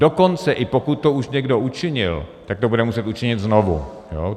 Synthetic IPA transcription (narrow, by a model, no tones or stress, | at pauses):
do̞ko̞nt͡sɛʔɪpo̞kut̪̚ːouʃɲɛɡdo̞ut͡ʃɪɲɪ̰lt̪ak̚t̪obudɛmusɛt̪ut͡ʃɪɲɪt̪znovṵ | joː